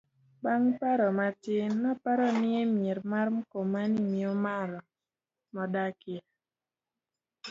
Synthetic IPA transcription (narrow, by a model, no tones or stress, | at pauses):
baŋpaɾɔmatɪnɔpaɾɔnɪemjeɾmarm̩komanimiomaɾɔ | mɔdakɪ